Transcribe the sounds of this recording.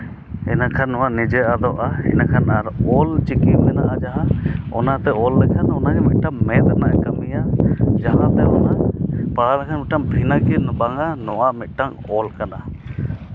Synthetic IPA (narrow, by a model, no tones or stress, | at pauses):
ɛ̰nakʰanːɔwaʔnid͡ʒɛad̪ɔʔaɛ̰nakʰanaɾɔlt͡ʃikimɛnaʔad͡ʒaɦãɔ̰nat̪ɛɔlːɛkʰanɔnad͡ʒɛmit̪̚ʈaŋmɛd̪naʔkamijad͡ʒaɦãt̪ɛɔnapaɦaɾakʰanmit̪̚ʈaŋbʱinakinbaŋanɔwaʔmit̪̚ˀʈaŋɔlkana